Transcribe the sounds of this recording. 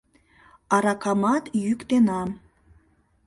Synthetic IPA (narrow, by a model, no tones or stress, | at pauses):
ɑɾɑkɑmɑt̪jykt̪enɑm